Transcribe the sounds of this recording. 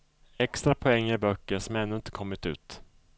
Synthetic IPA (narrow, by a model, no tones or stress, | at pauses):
ɛkst̪ɾapʰɔɛŋːəɾbœkːəɾʂɔmɾɛnːɵɪnt̪ə̥kʰɔmːɪt̪ʉ̟̰ːt̪